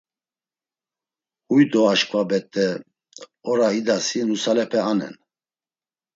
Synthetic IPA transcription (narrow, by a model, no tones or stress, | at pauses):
hujd̪ɔaʃkʰʼvabɛt̪ʼːɛ | ɔɾaid̪asinusalɛpʰɛanɛ̰n